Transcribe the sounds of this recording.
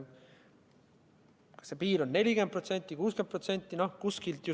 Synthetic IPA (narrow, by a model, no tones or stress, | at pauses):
kɑ̥sepiːlo̞nːe̞lʲiɡen̚prot̪se̞nʲt̪ːˑikuːsken̚prot̪se̞nʲt̪ˑːinohkuskilt̪ju